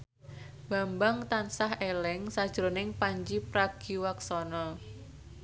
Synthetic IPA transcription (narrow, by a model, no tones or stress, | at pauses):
b̥a̤mbaŋt̪ansaɦelɛŋsad̥ʒ̥ɾonɪŋpaɲd͡ʒipɾaɡ̥iwaksɔnɔ